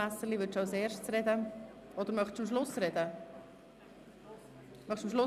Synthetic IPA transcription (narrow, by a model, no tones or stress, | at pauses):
æsəlivʏɾtt͡ʃaʊseːɾʃtt͡sɾɛd̪ə | ɔd̪əɾmœχtt͡ʃɑmʃlʊsɾɛd̪ə | mœχt͡ʃəmʃ̬lʊ